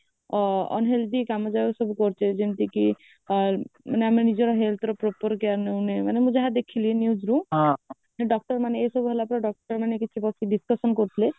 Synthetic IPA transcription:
ɔ̰nɦeld̪ikamɔd͡ʒabɔksɔbukɔɾt͡ʃʰed͡ʒent̪iki | maneamenid͡ʒɔɾɔɦelt̪ʰɾɔpɾɔpɔɾkaɾneunemanemũd͡ʒaɦad̪ekʰilienjud͡ʒɾũmɦɔ̃ | aneɖɔk̚ʈɔɾmaneːsɔbuɦelapɾaɖɔk̚ʈɔɾmanekit͡ʃʰibɔsiɖiskɔsɔnkɔɾit̪ʰile

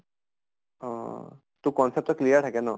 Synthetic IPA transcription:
ɔ̃ | t̪ũkɔnsɛp̚tɔklijaɹʈʰakɛnɔ

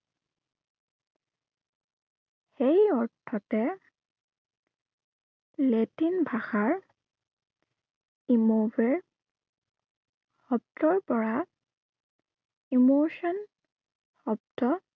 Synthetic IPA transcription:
xejɔɹtʰɔtɛ | letinbʱaxaɹ | imobɛɹ | xɔp̚tɔɹpɔɹa | imosɔn | xɔp̚tɔ

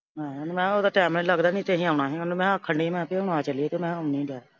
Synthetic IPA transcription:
mɛ̃ːmɛ̃ːoːd̪aːʈɛːmɛ̃ləɡd̪aːnĩːt̪eːɦĩːaːɳaːɦĩːonmɛ̃ːkʰːəɳɖiːmɛ̃ːpeːʊnaːt͡ʃəlieːt̪eːmɛ̃ːənĩːdaː

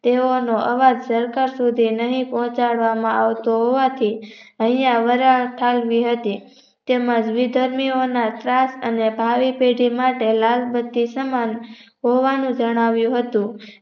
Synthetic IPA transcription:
t̪eonoʔəʋad͡ʒsəɾkaɾsud̪ʱinəɦĩpɔɦɔ̃t͡ʃaɽʋamãaʋt̪oɦoʋat̪ʰi | əɦjãʋəɾaʈʰalʋiɦət̪i | t̪eməd͡ʒʋid̪ʱəɾmionat̪ɾasənebʱaʋipeɖimaʈelalbət̪ːisəman | ɦoʋanũd͡ʒəɽ̃aʋjũɦət̪ũ

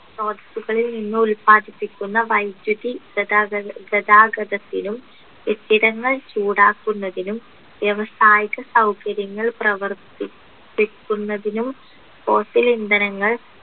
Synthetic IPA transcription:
so̞ːd̪ɐsuɣɐɭilninːɨulpaːd̪ipːikʲːunːɐʋɐjd̪jud̪i | ɡɐd̪aːɡɐd̪ɐt̪ːinum | et̪ːiɾɐŋːɐɭt͡ɕuːɽaːkːunːɐðinum | ʋjɐʋɐsaːjiɣɐsɐwkɐɾjɐŋːɐɭprɐʋɐrt̪i | ikːunːɐðinum | fo̞ːsilind̪ɐnɐŋːɐɭ

